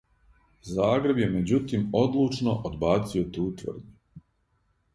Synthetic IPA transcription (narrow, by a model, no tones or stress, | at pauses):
zaːɡɾe̞bjemed͡ʑut̪iːmod̪lˠuːt͡ʃnoʔod̪baːt̪sio̞t̪uːt̪ʋ̰r̩d̪ɲu